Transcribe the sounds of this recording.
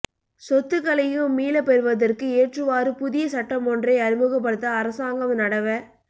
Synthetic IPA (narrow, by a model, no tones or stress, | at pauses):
sɔt̪ːɯkːɐlɐjɯ̃miːlɐpɛɾɯʋɐðɐrkɯeːʈrɯʋaːɾɯpʊðɪjɐsɐʈːɐmɔndrɐɪɐɾɯmɯɣɐp̬ːɐɽɯt̪ːɐːɾɐsaːŋɡɐmnɐɽɐʋɐ